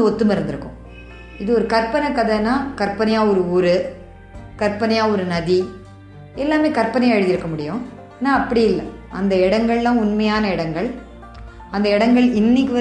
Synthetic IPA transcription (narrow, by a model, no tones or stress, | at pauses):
ɯɔt̪ːɯmɐɾɯnd̪ɪɾɯkːʊ̰̃ | ɪðɯɔɾɯkɐɾpɐnɐkːɐðɐnːaːkɐɾpɐnɐjaːɔɾɯuːɾɯ | kɐɾpɐnɐjaːɔɾɯnɐði | ɛlːaːmeːkɐɾpɐnɐjɐɻɯðɪɾɯkːɐmʊɽɪjʊ̃ | nãːɐpːɐɽɪjɪlːɐ̰ | ɐnd̪ɐɪɽɐŋɡɐɭlãːʊnmɐjaːnɐɪɽɐŋɡɐɭ | ɐnd̪ɐɪɽɐŋɡɐɭɪnːɪk̬ʲːɯʋɐ